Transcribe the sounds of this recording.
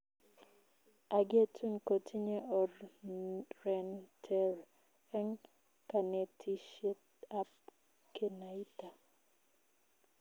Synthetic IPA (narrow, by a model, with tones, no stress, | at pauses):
a˨ɡe˦tʰu˦nko˨tʰi˦ɲe˦ʔɔ˨ | rɛ˨ntʰɛ˦ɾ | ɛ˦ŋ | ka˨ne˨tʰi˦ʃe˦t | a˦p̚ | kʰe˦na˨i˦ta˨